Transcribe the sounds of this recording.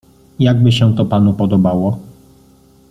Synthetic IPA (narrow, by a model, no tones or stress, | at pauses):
jaɡ̚bɘɕɛt̪ɔpanupɔd̪ɔbawɔ